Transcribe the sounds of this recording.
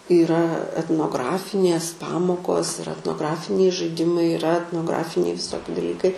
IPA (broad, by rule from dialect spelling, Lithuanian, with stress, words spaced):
iːˈrɐ ɛtnoːˈɡrɑːfʲɪnʲeːs ˈpɑːmoːkoːs ɪr ɛtnoːˈɡrɑːfʲɪnʲɛɪ ʒɐɪˈdʲɪmɐɪ ɪˈrɐ ɛtnoːˈɡrɑːfʲɪnʲɛɪ ʋʲɪˈsoːkʲɪ dɐˈlʲiːkɐɪ